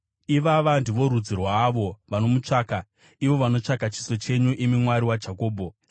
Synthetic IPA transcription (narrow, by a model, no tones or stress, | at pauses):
iʋaʋandiʋo̞ɾud͡zirwaːʋo̞ʋano̞mut͡ʂaːka | iʋo̞ʋano̞t͡ʂakat͡ʃi̥so̞t͡ʃe̞ɲuʔimimwaɾiwad͡ʒʱako̞ːbʱo̞